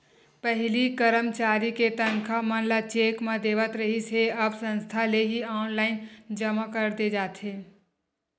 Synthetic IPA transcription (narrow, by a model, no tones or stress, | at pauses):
pəɦɪlikəɾəmt͡ʃaːɾiket̪ənkʰamə̃nlat͡ʃeːkmãd̪eːʋət̪ɾəɦiseəbsə̃nst̪ʰaleɦiaːnlaːɪnd͡ʒəmakəɾd̪ed͡ʒaːt̪ʰɦeː